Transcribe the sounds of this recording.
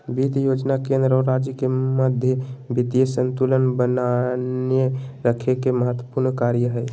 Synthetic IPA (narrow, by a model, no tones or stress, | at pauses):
bit̪jod͡ʒnakẽnd̪ɾəɾad͡ʒjəkeməd̪ʱjəbit̪jesənt̪ulənbənaneɾəkʰekeməɦət̪wə̥puɾnkaɾjəɦəj